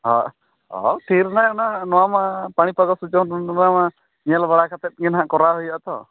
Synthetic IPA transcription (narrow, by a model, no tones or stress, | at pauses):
ɦɔ̰ | ɔ̰ʈʰiɾnajnanɔwamapaɽ̃ipaɡɔsud͡ʒɔnɔama | ɲalbaɽakʰat̪ɛt̪̚ɡinɦaʔkɔɾaɦojaʔt̪ɔ̰